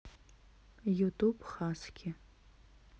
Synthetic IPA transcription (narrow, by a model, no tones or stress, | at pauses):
jutʰubχaːsɡʲɪ